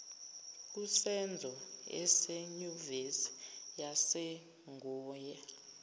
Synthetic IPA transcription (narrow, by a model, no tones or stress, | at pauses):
k̬usɛnd͡zʱɔɛ̰sɛɲuvesi̥jasɛ | ŋɔːjɛ